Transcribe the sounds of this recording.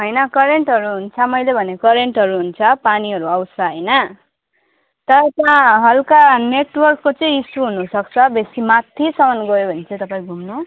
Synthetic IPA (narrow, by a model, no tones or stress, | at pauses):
ɦʌjnʌkʌɾeɳʈɦʌɾuɦunt͡sʰʌmʌjlebʱʌnekʌɾeɳʈɦʌɾuɦunt͡sʰʌpaniɦʌɾuʌwsʌɦʌjnʌ | t̪ʌɾʌt̪ãɦʌlkaneʈwʌrkːot͡sʌĩisʈuɦunusʌk̚t͡sʰʌbesimat̪ʰːisʌmʌnɡʌjobʱʌnet͡sʌĩt̪ʌpaĩɡʱumnu